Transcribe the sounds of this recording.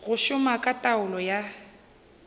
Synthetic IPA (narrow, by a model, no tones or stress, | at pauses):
ɣʊʃʊmakʼatʼaʊlɔja